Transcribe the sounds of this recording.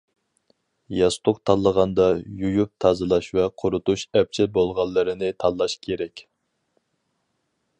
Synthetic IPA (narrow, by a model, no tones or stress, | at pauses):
jɑst̪ʰʊqt̪ʰɑlˠːəʁɑnd̪ɑjujup̚t̪ʰɑːzɨlˠɑʃvɛqʰʊɾut̪uʃɛp̚t͡ʃʰɪbolˠʁɑlˠːɨɾɨnɪt̪ʰɑlˠːɑʃkʲʰeɾɛkʲ